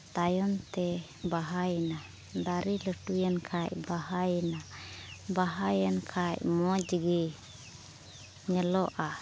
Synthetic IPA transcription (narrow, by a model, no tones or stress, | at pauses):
t̪ajɔnt̪ɛ | baɦajna | d̪aɾiləʈujankʰaʔbaɦajnabaɦajankʰaʔmɔd͡ʒəɡɛ | ɲəlɔʔa